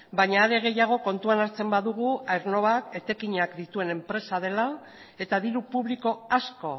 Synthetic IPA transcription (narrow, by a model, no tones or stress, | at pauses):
baɲaːɾe̞ɣ̞e̞jaɣ̞o̞ko̞nt̪uanaɾt͡se̞mbaðuɣ̞uajɾno̞βake̞t̪ekiɲakd̪it̪ue̞ne̞mpɾe̞sað̞e̞la | e̞t̪aðiɾupuβliko̞asko̞